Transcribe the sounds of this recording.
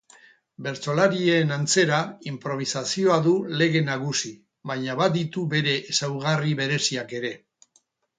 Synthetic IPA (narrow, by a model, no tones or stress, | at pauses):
be̞ɾt͡so̞laɾienant͡se̞ɾaimpɾo̞β̞isasio̞aðule̞ɣ̞e̞naɣusi | βajɲaβad̪it̪ube̞ɾe̞ʔːsawɣ̞ariβe̞ɾe̞siake̞ɾe̞